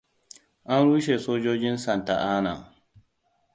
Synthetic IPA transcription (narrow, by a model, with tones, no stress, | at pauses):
ʔa˦nɽu˦ʃ̬e˨soː˦d͡ʒoː˦d͡ʒɪ˦nsa˨nta˨ʔaː˦na˨